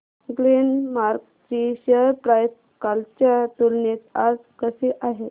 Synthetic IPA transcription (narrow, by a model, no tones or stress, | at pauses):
ɡlinmaɾk | t͡ɕiɕeəɾpɾajs | kalt͡ɕjat̪ulnet͡s̪ad͡zkəseʔaɦe